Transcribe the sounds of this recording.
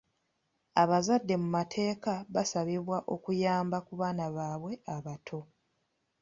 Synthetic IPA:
aβazadːe̞mumatʰe̞ːkaβasaβiβwaʔo̞kujaːmbakuβaːnaβaːβwe̞aβatʰo̞

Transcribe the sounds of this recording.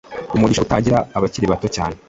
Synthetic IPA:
umuɟiʃoutaɟiɾaːβaciɾiβatocaːne

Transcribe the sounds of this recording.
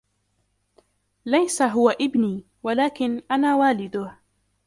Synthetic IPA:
lajsaɦʊwaʔɪbniː | walaːkɪnʔanaːwaːlɪd̪ʊh

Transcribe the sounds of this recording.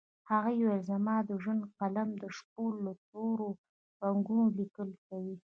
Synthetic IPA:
haɣajawɪlzamɑd̪əʒwənd̪qalamd̪əʂk̚olːət̪oɾo | baŋɡunolikəlkawi

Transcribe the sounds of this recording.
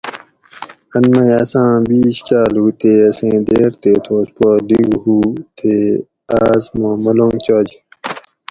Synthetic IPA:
ɐnmɐjaːsãːbiːɕt͡ɕaːlɦuːt̪eːɐsẽːd̪eːɾt̪eːt̪ʰoːspoːd̪iɡɦuːt̪eː | aːzmõːmɐlõŋt͡ɕoːd͡ʑe

